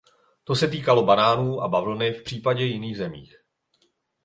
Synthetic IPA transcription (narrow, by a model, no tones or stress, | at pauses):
t̪o̞sɛt̪iːkalo̞banaːnuːʔa̰bavl̩nɪfpr̥iːpaɟɛjɪniːɣzɛmḭːx